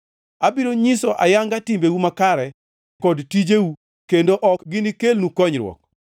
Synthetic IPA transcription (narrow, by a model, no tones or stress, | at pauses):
abiɾoɲɪsɔʔa̰jaŋɡatimbewumakaɾɛ | kɔdtid͡ʒewu | kendoʔɔkɡɪnikelnukɔɲɾwɔ̰k̚